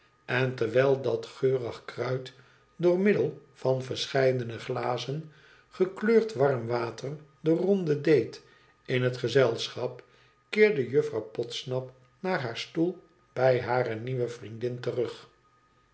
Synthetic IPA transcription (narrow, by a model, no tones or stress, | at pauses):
ɛntəɹʋɛlˠdɑtχøːrəχkrœɥt | dʊːɹmɪdəlˠv̥ɑnvəɹsχɛjdənəχlaːzən | χəkløːɹtʋɑrmʋaːtərdərɔndədejt | ɪnɦətχəzɛlˠsχɑp | kɪːɹdəjøfrɑwpɔtsnɑp | naːɹɦaːɹstulˠ | b̥ɛjɦaːrəniʋəvrindɪntərɵχ